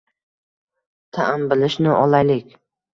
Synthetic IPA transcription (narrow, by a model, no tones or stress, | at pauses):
t̪ʰaʔanbɪlɪʃnɪʔɒlˠajlɪkʲ